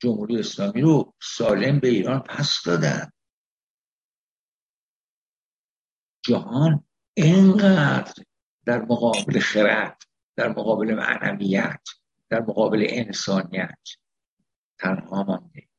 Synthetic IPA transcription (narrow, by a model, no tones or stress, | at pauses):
d͡ʒomhuːɾijeːslɒːmiːɾosɒːle̞mbe̞iːɾɒːnpʰæsd̪̥ɒːd̪æ̰nd̪̥ | d͡ʒæhɒːn | eŋɢæd̪ɾ | d̪̥æɾmoɣɒːbelexeɾæt̪ʰ | d̪̥æɾmoɣɒːbe̞lemæ̰næ̰mijæt̪ʰ | d̪̥æɾmoɣɒːbe̞le̞̰ʔensɒːnijæ̰t̪ʰː | ænhɒːmɒnd̪e